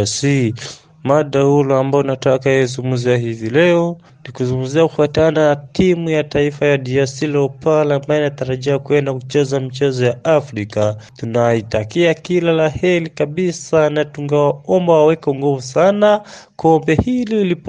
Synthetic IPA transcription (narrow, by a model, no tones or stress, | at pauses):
si | maɗahulɔambaɔunatakajɛzumɡumziaɦivilɛɔ | nikuzuŋɡuziakufatanatimujataifajadiasilɛɔpalaambajɛinataɾaʄiakuɛndakut͡ʃɛzamit͡ʃɛzɔjaafɾikatunaitakiakilalahɛlikaɓisanatuŋɡawaɔmbawawɛkɔŋɡuvusanakɔmbɛhiliili